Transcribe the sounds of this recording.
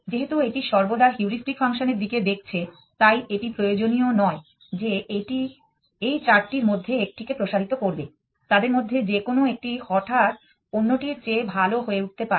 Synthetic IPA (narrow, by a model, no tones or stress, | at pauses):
d͡ʑeɦet̪ueʈiʃɔɾbod̪aɾɦjuɾisʈikfaŋʃoneɾd̪iked̪ek̚ʰt͡ɕʰe | t̪ajʔeʈipɾojod͡ʑonijonɔe | d͡ʑeeʈi | ejt͡ɕaɾʈiɾmod̪ʱːeek̚ʈikepɾoʃaɾit̪okoɾbe | t̪ad̪eɾmod̪ʱːed͡ʑekonoek̚ʈihɔʈʰaɾ | onːoʈiɾt͡ɕebʱaloɦoeuʈ̚t̪epaɾe